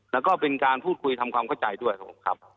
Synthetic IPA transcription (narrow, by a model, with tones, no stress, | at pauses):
lɛː˦˥wkɔː˥˩pe˧nkaː˧npʰuː˥˩t̪̚kʰu˧jt̪ʰa˧mkʰwaː˧mkʰa˥˩wt͡ɕa˧jdu˥˩əjkʰa˦˥pʰo̰˨˩mŋkʰɾa̰˦˥p̚